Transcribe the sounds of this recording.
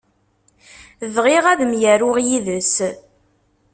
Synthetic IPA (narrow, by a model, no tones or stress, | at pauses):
ðʁiʁæðəmjæɾʊʁjiðəs